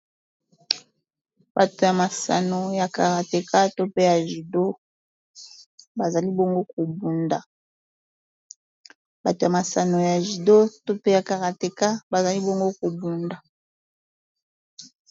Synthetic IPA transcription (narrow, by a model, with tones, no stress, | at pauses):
ba˨to˨ja˨ma˨sa̰˨no˨ja˨ka˨ʁa˨te˨ka˦to˦pe˦ja˨ʒi˨do˦ | ba˨za˨li˦bo˦ŋɡo˦ko˨bu˨nda˨ | ba˨to˨ja˨ma˨sa˨no˨ja˨ʒi˨do˦to˦pe˦ja˨ka˨ʁa˨te˨ka˦ba˨za˨li˦bo˦ŋɡo˦ko˨bu˨nda˨